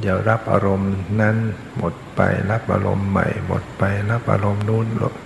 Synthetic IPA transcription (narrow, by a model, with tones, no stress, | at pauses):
di˧˩˦wɾa˦˥p̚ʔaː˧ɾo˧mna˦˥n | mo˨˩t̪̚pa˧jla˦˥p̚ʔaː˧ɾo˧mːa˨˩jmo̰˨˩t̪̚pa˧jla˦˥p̚ʔaː˧ɾo˧mnuː˦˥nlo̰˧˩